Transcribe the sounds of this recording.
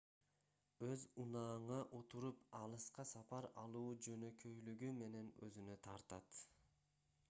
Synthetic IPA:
øzunɑːɴɑʔot̪uɾupɑlˠɯsqɑsɑpɑɾɑlˠuːd͡ʒønø̞kʰøjlyɡyme̞ne̞nø̰zynøt̪ʰɑɾt̪ɑt̪

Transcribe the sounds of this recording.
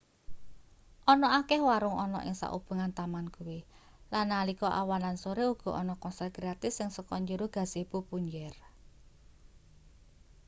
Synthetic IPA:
ʔɔnɔakɛhwaɾʊŋɔnɔ̰ʔɪ̰ŋsa̰ʔṵb̥ṳŋant̪amankuwi | lanːalikɔʔawanlansoɾeuɡ̥ɔ̤ʔɔnɔkɔnsaɡɾat̪ɪfsɪŋsəkɔɲd͡ʒəɾoɡ̥a̤seb̥upuɲd͡ʒɛr

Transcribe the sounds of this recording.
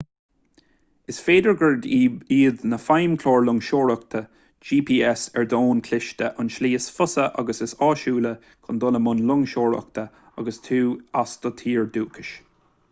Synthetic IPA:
ɪsfeːd̪əɹɡəɹdiːðnəfajmkʰloːɹlʊŋʃoːɹək̚t̪ʰə | d͡ʒiːpʰiːɛsɛɹd̪oːnkʰlɪʃt̪əʔʊnʃliːɪsfʊsəʔɑ̰ɡəsɪsɑːʃuːlə | kʰʊnd̪ʊləmʊnlʊŋʃoːɹə̰kt̪ʰə | aɡəst̪ʰuːasd̪̥ət̪ʰiːɹd̪uːkʰɪʃ

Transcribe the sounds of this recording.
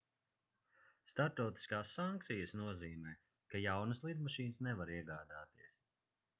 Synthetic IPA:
st̪aɾt̪ɔwt̪i̥skaːsːaŋkt̪sijəsnuɔziːmɛː | kajawnɐslˠid̪maʃiːnsnɛvaɾiɛɡaːd̪aːt̪iɛs

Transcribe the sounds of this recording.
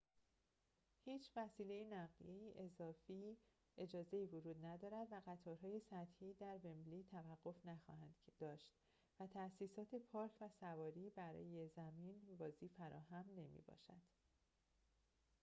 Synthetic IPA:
hiːt͡ʃʰvæsiːle̞jinæɣieiʔe̞zɒːfiː | e̞d͡ʒɒːze̞iːvod͡ʒuːd̪næd̪ɒːɾæd̪væɣæt̪ʰɒːɾɦɒːje̞sæt̪hiːd̪æɾve̞mbliːt̪ʰævæɢːo̞fnæxɒ̰ːhænd̪̥d̪̥ɒːʃt̪ | væt̪ʰæsiːsɒːt̪ʰe̞pʰɒːɾcʰvæsævɒːɾiːbæɾɒ̰ːjezæmiːnvɒːziːfæɾɒ̰ːɦæmne̞mḭːbɒ̰ːʃæ̰d̪̥

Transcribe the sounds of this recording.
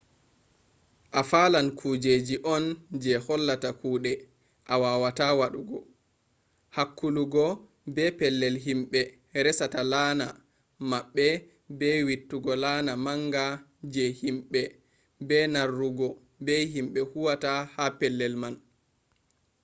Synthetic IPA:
ʔafaːlankʰud͡ʒed͡ʒiʔɔnd͡ʒɛhɔlːatakʰuːɗɛ | ʔawaːwatawaɗuɡɔ | hakːuluɡɔ | bɛpɛlːɛlɦimɓɛ | ɾɛsatalaːna | maɓːɛ | bɛwitːuɡɔlaːnamaŋɡa | d͡ʒɛhimɓɛ | bɛnarːuɡɔ | bɛhimɓɛhuwatahapɛlːɛlman

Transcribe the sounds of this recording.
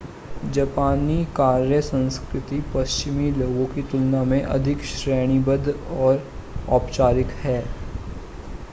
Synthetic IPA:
d͡ʒɐpaːnikaːɾjəsə̃nskɾɪt̪ipɐst͡ʃɪmiloːɡõkit̪ʊlnamẽʔɐ̰d̪ʱɪkʃɾɛːɽ̃ibəd̪ʱɔːɾɔːpt͡ʃaːɾɪkhɛː

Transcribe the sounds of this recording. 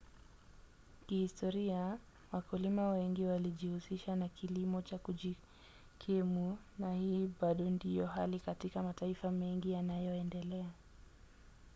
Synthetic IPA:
kihistɔɾia | wakulimawɛŋɡiwaliʄihusiʃanakilimɔt͡ʃakuʄi | kʰɛmu | nahiːɓaɗɔndijɔɦalikatikamataifamɛŋɡijanajɔɛndɛlɛa

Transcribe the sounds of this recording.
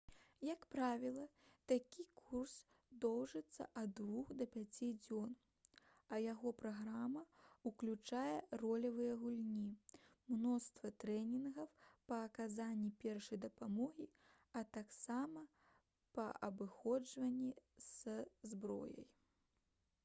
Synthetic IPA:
jɐkpɾavʲilˠɐt̪akʲikʰurs | d̪ɔwʐɨt̪sːɐ̰ʔɐd̪vuxd̪ɐpʲat͡sʲid͡zʲɔn | ɐjaɣɔpɾaɣɾamɐuklʲut͡ʂajɛrɔlʲɐvɨjɐɣulʲnʲi | mnɔst̪vɐt̪ɾɛnʲinɣɐwpɐːkazanʲːipʲɛrʂɐjd̪ɐpamɔɣʲi | ɐt̪aksamɐ | pɐ̰ʔɐbɨxɔd͡ʐvɐnʲːiz̥zbɾɔ̰jɐ̰j

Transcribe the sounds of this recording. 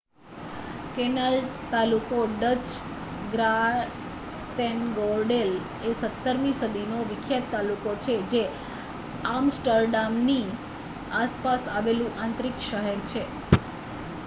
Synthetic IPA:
kenəlt̪alukoɖət͡ʃ | ɡɾa | ʈənɡɔɾɖel | esət̪ːəɾmisəd̪ʱinoʋɪkʰjad̪̚t̪alukot͡ʃʰed͡ʒe | amsʈəɾɖamni | aspasaʋelũʔãnt̪ɾikʃəɦɛɾt͡ʃʰe

